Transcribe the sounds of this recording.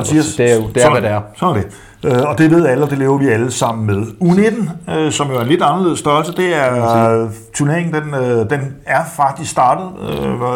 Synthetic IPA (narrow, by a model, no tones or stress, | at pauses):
nsiɐded̥eɐʋd̥eæɐsɒ̽næɐd̥e̝ | øɒ̽d̥e̝ʋe̝ð̞̰ˠæləɒd̥e̝le̝ːʊɐʋiæləsɑ̈m̰n̩meðˠuned̥n̩øsɒ̽mjoæɐenle̝d̥ɑnɐle̝ð̰ˠsd̥ɶɐlsəd̥e̝æɐ | t͡sʰyɐne̝ɐeŋn̩d̥enød̥enæɐfɑ̈ɡ̥̚d̥isɡsd̥ɑ̈ːd̥ð̞̩ˠø